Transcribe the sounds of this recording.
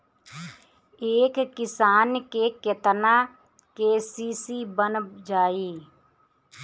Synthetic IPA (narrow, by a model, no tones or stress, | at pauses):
eːkːɪsaːnkeket̪na | keːsiːsibənd͡ʒaːiː